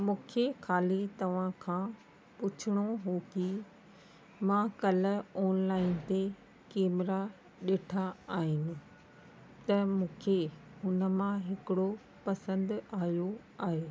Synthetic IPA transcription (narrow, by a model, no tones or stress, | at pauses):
mũːkʰexʰaːlit̪ɐʋ̤ãkʰãː | pʊt͡ɕʰɪɽ̃oɦoki | mãkɐləoːnlaːɪnt̪e | keːmɪɾa | ɗeːʈʰaaːɦɪnɪ̆ | t̪ɐmũːkʰehʊnə̆mãɦɪkɪɽo | pɐsə̃nd̪aːjo | aːɦeː